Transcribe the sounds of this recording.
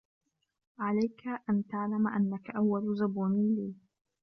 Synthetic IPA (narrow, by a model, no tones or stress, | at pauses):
ʕalajkʰaʔant̪aʕlamaʔanːakaʔawːalzʊbuːnɪliː